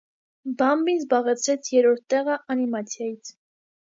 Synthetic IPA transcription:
bɑmbinzbɑʁɛt͡sʰɾɛt͡sʰjɛɾɔɾt̪ːɛʁɑʔɑnimɑt͡sʰjɑjit͡sʰ

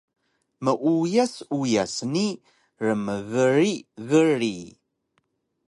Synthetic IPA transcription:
məʔujæsujæsni | ɾəmvərːivərːi

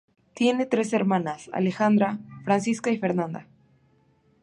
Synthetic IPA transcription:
t̪je̞ne̞t̪ɾe̞se̞ɾmãnasa̰lexand̪ɾafɾansiskaife̞ɾnãnd̪a

